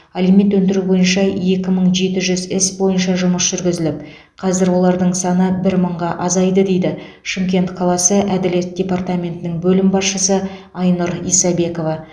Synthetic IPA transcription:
ɑlime̞t̪wɵnd̪ɪɾubo̞jənʃɑje̞kʲɪməɴʒe̞t̪ɪʒʏzɪsbo̞jənʃɑʒʊməsʒ̥ʏɾɡʲɪzɪlɪp̚ | qʰɑzɪɾwo̞lˠɑɾd̪əɴsɑnəbɪɾməɴʁɑʔɑzɑjd̪əd̪e̞jd̪ɪ | ʃɪmkʲe̞nt̪qʰɑlˠɑsəʔæd̪ɪle̞t̪̚d̥̪ʲe̞part̪amʲe̞nt̪ɪnɪŋbɵlɪmbɑsʃəsə | ɑjnʊɾijsɑbe̞ko̞vɑ

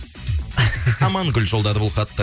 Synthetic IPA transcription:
ɑmɑŋɡʲʏlʒold̪ɑd̪əbʊlˠqɑt̪ːə

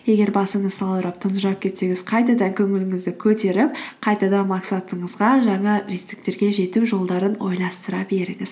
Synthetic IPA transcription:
je̞ɡʲe̞ɾbɑsəɴəzsɑlˠəɾəp̚t̪ʰʊnʒɑp̚kʲʰe̞t̪se̞ŋɪz̥qʰɑjt̪ɑd̪ɑŋkʲʰɵŋɪlɪŋɪzd̪ɪkʲʰɵt̪e̞ɾɪp̚qʰɑjt̪ɑd̪ɑnmɑksat̪əɴəzʁɑʒɑɴɑɾist̪ɪ̥k̚t̪e̞ɾɡʲe̞ʒe̞t̪uʒo̞lˠd̪ɑɾəno̞jlˠɑst̪əɾɑbe̞ɾɪŋɪz̥

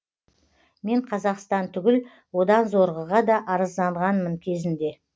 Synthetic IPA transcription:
me̞ɴqʰɑzɑqst̪ɑnt̪ʰʏɡʲɪl | wo̞d̪ɑnzo̞ɾʁəʁɑd̪ɑʔɑɾəzd̪ɑɴʁɑnməŋkʲʰe̞zɪnd̪e̞

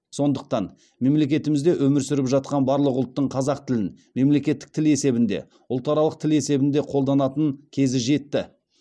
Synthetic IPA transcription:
so̞nd̪əq̚t̪ɑn | me̞mle̞kʲe̞t̪ɪmɪzd̪e̞ʔɵmɪɾsʏɾɪpʒɑt̪̚qɑnbɑɾlˠəqʊlˠt̪ːəɴqʰɑzɑqt̪ʰɪlɪn | me̞mle̞kʲe̞t̪ːɪ̥k̚t̪ʰɪle̞se̞bɪnd̪e̞̰ | ʊlˠt̪ɑɾɑlˠəq̚t̪ʰɪle̞se̞bɪnd̪e̞qʰo̞lˠd̪ɑnɑt̪əŋkʲʰe̞zɪʒe̞t̪ːɪ

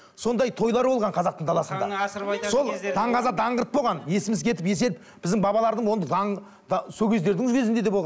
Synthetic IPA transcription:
so̞nd̪ɑjt̪ʰo̞jlˠɑɾbo̞lˠʁɑɴqʰɑzɑq̚t̪əɴd̪ɑlˠɑsənd̪ɑ̰so̞lˠd̪ɑɴʁɑzɑd̪ɑɴʁəɾət̪boʁɑnje̞sɪmɪzkʲʰe̞t̪ɪpje̞s̬e̞ɾɪp̚ | bɪzd̪ɪŋbɑβɑlˠɑɾd̪əɴwo̞nd̪əd̪ɑɴ | d̪sokʲʰe̞zd̪e̞ɾd̪ɪŋʒʏɡʲe̞zɪnd̪ee̞bo̞lˠʁɑ

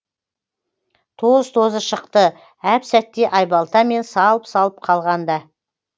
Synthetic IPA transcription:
t̪ʰozt̪ʰo̞zəʃəqt̪ə | æpsæt̪ːe̞ʔɑjbɑlˠt̪ɑme̞nsɑlˠəpsɑlˠəp̚qʰɑlˠʁɑnd̪ɑ

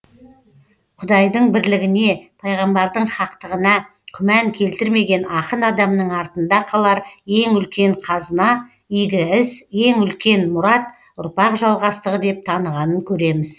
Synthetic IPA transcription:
qʰʊd̪ɑjd̪əɴbɪɾlɪɡʲɪne̞pʰɑjʁɑmbɑɾd̪əɴχɑqt̪əʁənɑ | kʲʰʏmæŋkʲʰe̞lt̪ɪɾme̞ɡʲe̞nɑqənɑd̪ɑmnəɴɑɾt̪ənd̪ɑqʰɑlˠɑɾje̞ŋʏlkʲe̞ɴqʰɑzənɑ | ijɡʲɪɪzje̞ŋʏlkʲe̞nmʊɾɑt̪ | ʊ̰ɾpɑqʒɑlˠʁɑst̪əʁəd̪e̞p̚t̪ʰɑnəʁɑnəŋkʲʰɵɾe̞mɪz̥

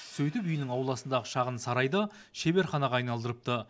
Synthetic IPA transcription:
sɵjt̪ɪpʏjɪnɪŋɑwlˠɑsənd̪ɑʁəʃɑʁənsɑɾɑjd̪ə | ʃebe̞ɾχɑnɑʁɑːjnɑlˠd̪əɾəp̚t̪ə

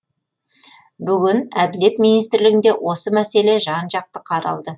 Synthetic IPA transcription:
bʏɡʲɪnæd̪ɪle̞t̪mijnijst̪ɪɾlɪɡʲɪnd̪e̞wʔo̞səmæse̞le̞ʒɑnʒɑq̚t̪əqʰɑɾɑ̰lˠd̪ə

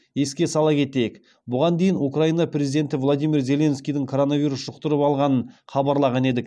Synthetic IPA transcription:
e̞skʲe̞sɑlˠɑkʲʰe̞t̪e̞jek | bʊʁɑnd̪e̞jɪnukrainɑprʲe̞zid̪e̞nt̪ɪvlˠod̪ijmʲirze̞lʲe̞nskʲijd̪ɪŋkʰo̞ɾo̞navʲijɾusʒ̥ʊqt̪əɾəpɑlˠʁɑnəɴχɑbɑɾlˠɑʁɑne̞d̪ɪk̚

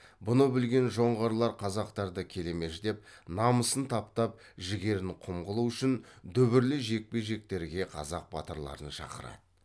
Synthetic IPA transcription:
bʊnəbɪlɡʲe̞nʒo̞ɴʁɑɾlˠɑɾqʰɑzɑq̚t̪ɑɾd̪əkʲʰe̞le̞me̞ʃd̪e̞p̚nɑməsənt̪ʰɑpt̪ɑp̚ | ʒɪɡʲe̞ɾɪnqʰʊmʁəlˠuʏʃɪnd̪ʏbɪɾlɪʒe̞k̚pe̞ʒe̞k̚t̪e̞ɾɡʲe̞qʰɑ̰zɑq̚bɑt̪əɾlˠɑ̰ɾənʃɑ̰qəɾɑ̰d̪ə

